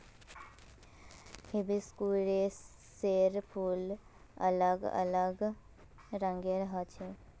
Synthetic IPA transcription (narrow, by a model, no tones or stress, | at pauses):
hɪbiskuːɾe | seɾpʰuːl | ə̰ləɡə̰ləɡ | ɾə̃ŋɡeɾɦaːt͡ʃʰe